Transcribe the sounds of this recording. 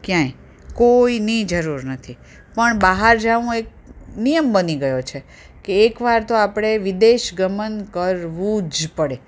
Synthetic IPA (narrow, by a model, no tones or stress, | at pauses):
kjãĩ | koinid͡ʒəɾuɾnət̪ʰi | pəɳbaɦaɾd͡ʒaʋũek̚ | nijəmbəniɡəjot͡ʃʰe | keːkʋaɾt̪oapɽ̃eʋid̪eʃɡəmənkəɾʋũd͡ʒpəɽe